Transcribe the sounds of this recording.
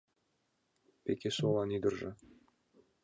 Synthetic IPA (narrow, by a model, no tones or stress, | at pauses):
pʲekʲesolˠɑnid̪ɘ̆rʒɘ̰̆